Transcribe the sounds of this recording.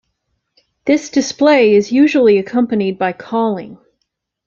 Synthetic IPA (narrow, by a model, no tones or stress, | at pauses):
ðɪsd̥ɨspleɪɪzjʉʒl̩ˠiɨkʰʌ̃mpɨnid̚baɪkʰɔlˠɪ̰̃ŋ